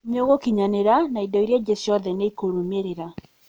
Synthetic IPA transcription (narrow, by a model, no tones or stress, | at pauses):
mjoɣokiɲaneɾanaidɔiɾjad͡ʑesjɔðɛneikoɾumeɾeɾa